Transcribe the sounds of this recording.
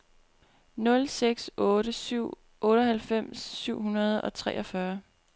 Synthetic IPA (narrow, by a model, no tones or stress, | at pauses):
nɔ̽lseɡ̥sɔ̽ːɾəsyʊ̰ | ʔɔ̽ːɾəɦælfem̰sːyʊ̰ɦunɐð̞̩ˠɒ̽t͡sʰʁɛ̰ːʔɒ̽fɶɐ